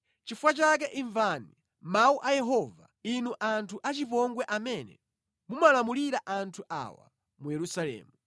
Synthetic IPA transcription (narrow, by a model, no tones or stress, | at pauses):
t͡ʃifuwat͡ʃak̬ɛʔiɱvani | mauʔajɛɦɔva̰ | inuʔantʰuʔat͡ʃipɔŋɡwɛʔamɛnɛ̰ | mumalamuliɾaʔantʰuʔa̰wa̰ | mujɛɾusalɛ̰ːmu